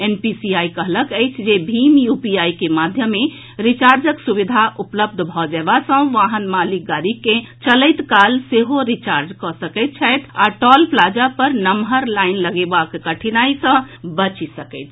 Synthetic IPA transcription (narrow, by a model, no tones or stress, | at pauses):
enpisiaikəɦləkəɪt͡ʃʰd͡ʒebʱimjupiajkemad̪ʱjəmːe | ɾit͡ʃaɾd͡ʒəksubid̪ʱaʔupləb̚d̪ʱbʱɔd͡ʒɛbasə̃ʋaɦənmalik̚ɡaɾikːẽt͡ʃələɪt̪kalseɦoɾit͡ʃaɾd͡ʒkɔsəkəɪt̪̚t͡ʃʰəjt̪ʰaʈɔlplad͡ʒapəɾnəmɦəɾlaɪnləɡebakkəʈʰinaisə̃ | bət͡ʃisəkəɪt̪ʰ